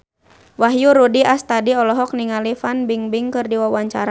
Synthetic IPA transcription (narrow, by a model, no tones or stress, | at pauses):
waɦjuɾudiast̪adiɔlɔɦɔk̚niŋalifanbiŋbiŋkɨrdiwawaɲt͡ʃaɾa